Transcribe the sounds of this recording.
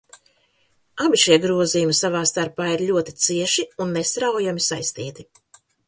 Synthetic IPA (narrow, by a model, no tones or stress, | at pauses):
abiʃiɛɡɾuɔzijumisavaːst̪aɾpaːiɾlʲuɔt̪it̪siɛʃiunːest̪ɾawjamisajst̪iːt̪i